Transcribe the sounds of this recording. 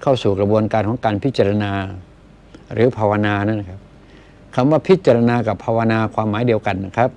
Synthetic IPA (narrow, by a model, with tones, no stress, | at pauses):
kʰa˥˩wsuː˨˩kɾa˧bu˧ənkaː˧nkɔː˩˦ŋkaː˧npʰi˦˥t̪̚t͡ɕa˧ɾa˧naː˧ | ɾɯː˨˩˦pʰaː˧wa˧naː˧na˦˥˩na˦˩kʰa˦˥p̚ | kʰa˧mwaː˥˩pʰi˦˥t̪̚t͡ɕa˧ɾa˧naː˧ka˨˩pʰːaː˧wa˧naː˧kʰwaː˧mːaː˩˦jdi˧əwka˨˩nːa˦˩kʰa˦˥p̚